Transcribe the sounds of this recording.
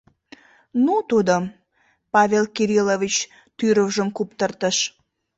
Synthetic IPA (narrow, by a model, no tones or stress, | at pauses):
nut̪ud̪o | pɑvʲelkiɾilovit͡ɕ | t̪yɾəwʒəmkupt̪ərt̪əʃ